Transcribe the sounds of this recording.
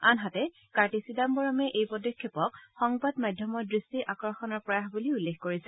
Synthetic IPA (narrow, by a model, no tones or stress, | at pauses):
anɦatɛ | kaɹtisidambɔɹɔmɛʔejpɔdɔkʰːepɔkxɔŋbadmajdʱjɔmɔɹdɹistiʔakɹɔxɔnɔɹpɹɔjaxbuliulːexkoɹisɛ